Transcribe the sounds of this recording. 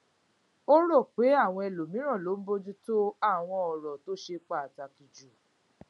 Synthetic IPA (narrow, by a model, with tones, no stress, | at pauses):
o˦ɾo˦˨k͡pe˨˦a˦˨w̃ɔ̃˧ɛ˨lo˨mĩ˨˦ɾ̃ɔ̃˦˨lo˨˦m̩˦bo˦d͡ʒu˦to˦a˦˨w̃ɔ̃˧ɔ˨ɾɔ˨to˨˦ʃe˧k͡pa˦˨a˨ta˧˨ki˧d͡ʒu˨